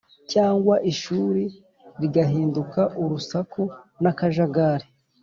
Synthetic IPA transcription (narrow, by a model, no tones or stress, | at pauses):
caːŋɡwaʔiʃuːɾi | ɾiɡaɦiːndukaʔuɾusakonakaʒaɡaːɾe